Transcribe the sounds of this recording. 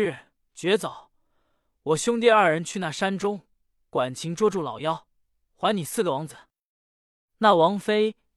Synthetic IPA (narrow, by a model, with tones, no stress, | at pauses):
ɻ̩˥˩ | t͡ɕɥɛ˧˥t͡sɑ˨˩˦ʊ | wɔ˨˩ɕjʊ˥ŋt̪̬jɛ˥˧ɐ˞˥˩ɻə˧˥nt͡ɕʰy˥˧na˥˩ʂa˥nʈ͡ʂʊ˥ŋ | kwa˨˩nt͡ɕʰi˧˥ŋʈ͡ʂwɔ˥ʈ͡ʂu˥˩lɑ˨˩ʊjɑ˥ʊ | xwa˧˥nni˨˩sɹ̩˥˩lwɑ˧˥ŋd͡zə˧˩ | na˥˩wɑ˧˥ŋfe˥ɪ